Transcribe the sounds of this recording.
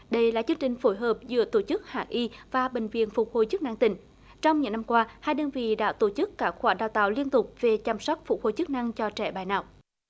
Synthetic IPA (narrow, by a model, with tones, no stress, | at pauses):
ɗə˧jlaː˨˩t͡ɕɨ˧əŋt͡ɕï˨˩ŋ̟fo˧˩jɦəː˨˩p̚zɨ̰˧˥ət̪o˧˩t͡ɕɨ˦˥k̚ha̰ː˧˨ʔi˧vaː˨˩ɓï˨˩ŋ̟vḭ˧˨ənfʊ˨˩k͡p̚ho˧˩jt͡ɕɨ˦˥k̚na˧ŋt̪ï˧˩˦ŋ̟ | t͡ɕɔ˧wŋ͡mɲɨ̰˧˥ŋna˧mkwaː˧haː˧jɗəː˧nvḭ˧˨ɗa̰ː˧˥t̪o˧˩t͡ɕɨ˦˥kːaː˦˥˩kxwaː˧˩ɗaː˧˨˩wt̪a̰ː˧˨wli˧ənt̪ʊ˨˩k͡p̚ve˨˩t͡ɕa˧msa˦˥wk͡p̚fʊ˨˩k͡p̚ho˨˩jt͡ɕɨ˦˥k̚na˧ŋt͡ɕɔ˧t͡ɕɛ˧˩ɓaː˧˩jna̰ː˧˨wʔ